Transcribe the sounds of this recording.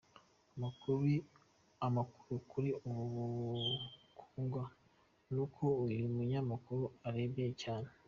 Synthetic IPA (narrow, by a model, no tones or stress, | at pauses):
amakuɾi | amaku̥ɾukʰuɾiumuβu | kʰuːŋɡwa | nukʰoimuɲamakuɾuaɾe̞ːbecaːne